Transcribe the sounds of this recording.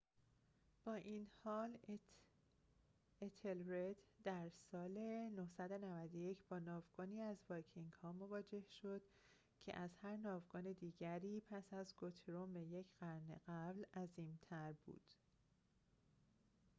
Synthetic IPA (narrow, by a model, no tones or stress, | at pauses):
b̥ɒːʔiːnhɒːl | et̪ʰelɾed̪d̪æɾsɒːle̞nohsæd̪o̞nævæd̪oje̞cʰb̥ɒːnɒːvɡɔːniːæzbɒcʰiŋɡhɒːmo̞vɒːd͡ʒe̞hʃo̞d̪̥ | cʰe̞̰ʔæzhæɾnɒːvɡɒːne̞d̪iːɟæɾiːpʰæsæzɡot̪ʰeɾombeje̞cʰɢ̥æɾnḛɣæblæziːmt̪ʰæɾbṵːd̪̥